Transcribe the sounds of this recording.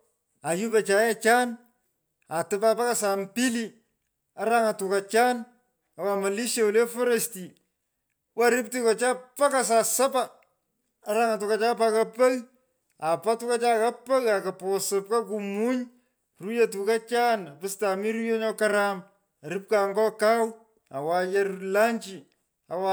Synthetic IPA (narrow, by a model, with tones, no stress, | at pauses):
a˨ju˦ba˨t͡ʃa˨jɛ˦t͡ʃa˦n | a˨tɨ˨ba˦pa˦ka˨sa˨mpi˦li˦ | a˦ɾa˦ŋa˨tu˨ka˨t͡ʃa˦n | a˨wa˨ma˨li˦ʃa˦u˨le˦fɔ˦ɾa˨sti˨ | wa˦ɾɪ˦p̚ti˦kɔ˨t͡ʃa˦pa˦ka˨sa˨sa˦paː˨˦ | ɾa˦ŋa˨tu˨ka˨t͡ʃa˦pa˦ka˦pɐ˦ɣ | a˨pa˦tu˦ka˦t͡ʃa˦ka˦pɐ˦ɣa˨ka˨pɔ˨sɨ˨p̚ka˦k̬u˨mu˦ɲ | ru˦ja˨tu˨ka˦t͡ʃa˦na˨pɪ˦sta˨mi˦ɾu˦jo˦ɲɔ˦kaɾam | a˨ɾɪ˦p̚ka˨ŋɡɔ˦ka˦w | a̰˨wa˨ja˦la˦ɲt͡ʃi˨ | a˨wa